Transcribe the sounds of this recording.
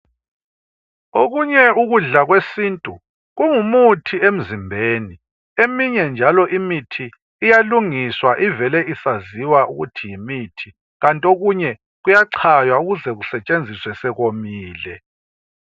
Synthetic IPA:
oɣuɲɛuɣuɮaɣwesintʼu | ɣuŋumutʰiem̩zimbʱeːni | emiɲɛnd͡ʒʱalɔʔimitʰiː | jaluŋiswaʔivɛlɛisaziwauɣutʰijimitʰi̥ | ɣantʼioɣuɲɛ | ɣujaǀʰajwauɣuzɛɣusɛt͡ʃʼend͡zʱiswɛsɛɣomiːlɛ

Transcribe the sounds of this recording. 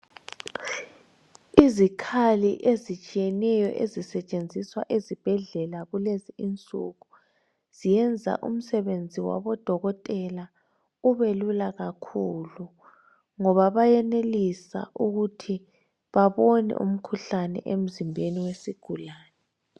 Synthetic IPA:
izikʰaliʔezit͡ʃʼijɛnɛjɔ̰ʔezisɛt͡ʃʼend͡zʱiswaʔezib̥ʱɛɮɛlaɣuleziint͡sʼṵɣu | z̥ijɛnd͡zʱa̰ʔṵm̩sɛβend͡zʱiwa̰βɔd̥ʱɔɣɔtʼɛla | uβelulaɣakʰulu | ŋɔβaβajɛnelisa̰ʔuɣutʰi | βaβɔnɛ̰ʔṵm̩kʰuɬanɛ̰ʔem̩zimbʱeniwesiɡ̥ʱulaːnɛ

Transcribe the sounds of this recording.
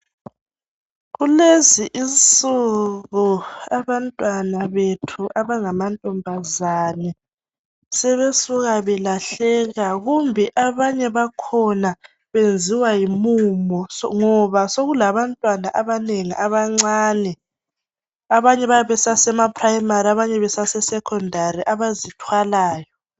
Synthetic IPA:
ɣuleziʔint͡sʼuɣuaβantʼwanaβetʰuʔaβaŋamantʼɔmbʱazanɛ | sɛβesuɣaβɛlaɬɛɣaɣumbʱɛʔaβaɲɛβakʰɔna | βend͡zʱiwajimumɔŋɔβasoɣulaβantʼwanaʔaβaneŋiʔaβaŋ͡ǀaːnɛ | aβaɲɛβajaβɛsasɛmapʰʼrajimariaβaɲɛβɛsasɛsɛkʰɔndʱariʔaβazitʰwalaːjɔ

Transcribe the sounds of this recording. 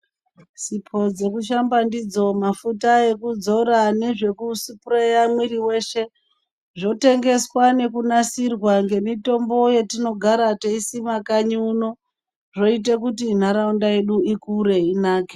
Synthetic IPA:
sipʰo̞d͡ze̞kuʃ̬ambandid͡zo̞mafutae̞kud͡zo̞ɾane̞ʐe̞kusipuɾejamwiɾiwe̞ʃe̞ | ʐo̞te̞ŋɡe̞swane̞kunasirwaŋɡe̞mito̞mbo̞jetino̞ɡʱaɾateisimakaɲiuno̞ | ʐo̞it̬ek̬utin̤aɾaundae̞ɗuikuɾe̞inaːke

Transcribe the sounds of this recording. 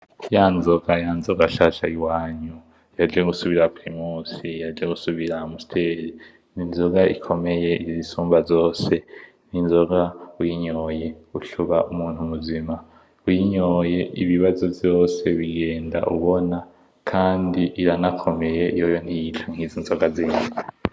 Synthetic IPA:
jaːnzoɡ̥ajaːnzoɡaʃaʃaiwaːɲu | jad͡ʒeɡusuβiɾapɾimuːsijad͡ʒeɡusuβiɾamustʰeɾi | ninzoɡaḭkʰo̞me̞je̞izisuːmbazo̞ːse̞ | ninzo̞ɡaujiɲoːje̞uɬuβaʔumuːnhumuzima | ujiɲoːje̞ʔḭβiβazovjo̞ːse̞βiɡe̞ːnda̰ʔṵβo̞na | kʰaːndiʔiɾanakʰo̞me̞je̞ijojon̥ijitʰaŋ̥hiːzinzoɡaziːɲa

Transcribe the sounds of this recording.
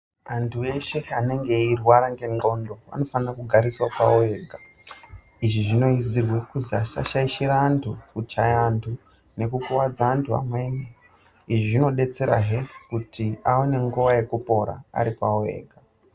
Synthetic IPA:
antʰue̞ʃe̞ane̞ŋɡe̞irwaɾaŋɡe̞ŋɡondoʋa̰no̞fanirakuɡʱaɾiswapaoe̞ːɡʱa | iʐiʐino̞izirwe̞kuzasa̰ʃaiʃiɾaːntʰukut͡ʃajantʰu | ne̞kukuwad͡zaːntʰua̰mweni | iʐiʐino̞ɗe̞t͡se̞ɾa̰ɦekutʰiaone̞ŋɡuʋaje̞kupo̞ɾa̰a̰ɾipaoḛːɡʱa

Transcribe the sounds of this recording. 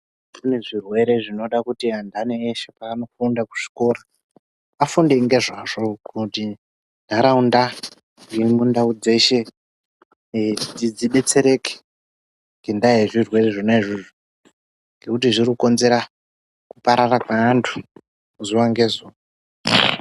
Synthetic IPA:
une̞ʐirwe̞ɾe̞ʐino̞ɗakutiandaneːʃepaːno̞fundaku̥ʐ̥i̥ko̞ɾa | afundeŋɡe̞ʐaʐo̞kʰuti | ndʱaɾaunda | jemundaud͡ze̞ʃe̞ | tid͡ziɓe̞t͡se̞ɾe̞ke̥ | ŋɡendaieʐirwe̞re̞ʐonaiʐiʐu | ŋɡe̞kutiʐirikuko̞nze̞ɾa | kupaɾarakantʰu̥ | uzuwaŋɡe̞zuːwa

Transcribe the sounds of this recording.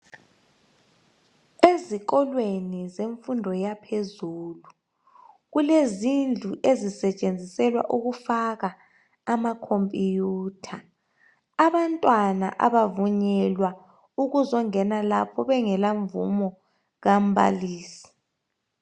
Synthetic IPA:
eziɣɔlwenizeɱfundʱɔjapʰezuːlu | ɣulezind͡ɮʱuʔezisɛt͡ʃʼend͡zʱisɛlwa̰ʔuɣufaɣa | amakʰompʼijuːtʰa | aβantʼwana̰ʔa̰βavuɲɛlwa | uɣuzɔŋɛnalapʰɔβɛŋɛlaɱvṵmɔ | ɣam̩βa̰liːsi̥

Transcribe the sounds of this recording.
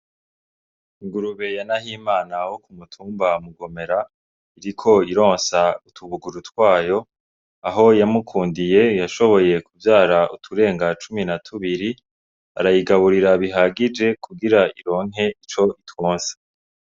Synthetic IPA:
iŋɡuɾuβe̞janahiːmaːnawokumutʰuːmbamuɡo̞me̞ɾa | iɾikʰo̞iɾo̞ːnsautʰuβuɡuɾutwaːjo̞ | aɦo̞jamukʰuːndije̞jaʃo̞βo̞je̞kuvjaːɾaʔṵtʰuɾe̞ːŋɡat͡ʃuminatʰuβiɾi | a̰ɾajiɡaβuɾiɾaβiɦaɡid͡ʒe̞kʰuɡiɾaiɾo̞ːŋ̥ɦe̞it͡ʃo̞itwoːnsḁ

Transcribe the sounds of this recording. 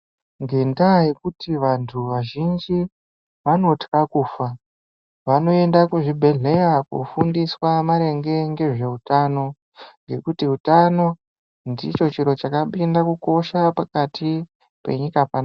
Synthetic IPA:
ŋɡe̞ndaje̞kutiʋantʰuʋaʒind͡ʒi | ʋano̞tkakuːfa | ʋano̞e̞ndakuʐibʱe̞ɮe̞jakṵfundiswamaɾe̞ŋɡe̞ŋɡe̞ʐe̞utano̞ | ŋɡe̞kutiutano̞ | ndit͡ʃo̞t͡ʃiɾo̞t͡ʃakaɓindakuko̞ʃapakatʰi | pe̞̰ɲikapana

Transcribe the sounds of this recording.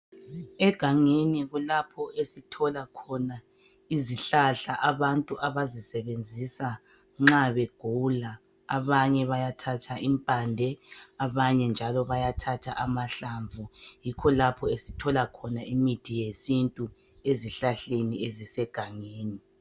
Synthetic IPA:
ɛɡ̥ʱaŋeniɣulapʰɔesitʰɔlakʰɔna | iziɬaɬaʔaβantʼuʔaβazisɛβend͡zʱisa | ŋ͡ǁaβɛɡ̥ʱula | aβaɲɛβajatʰatʰaʔimpʼandʱɛaβaɲɛnd͡ʒʱalɔβajatʰatʰa̰ʔamaɬaɱvujikʰɔlapʰɔesitʰɔlakʰɔnaʔimitʰijesintʼu | eziɬaɬeniezisɛɡ̥ʱaŋeːni

